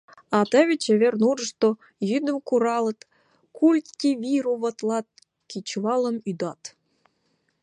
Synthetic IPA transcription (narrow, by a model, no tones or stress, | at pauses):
ɑt̪ɑβʲet͡ɕeβʲernurə̆ʂt̪o | jyd̪ə̆mkuɾɑlˠɤ̆t̪ | kulʲt̪kʲivʲiɾuβət̪lˠɑt̪̚ | kʲit͡ɕvɑlˠə̆myd̪ɑt̪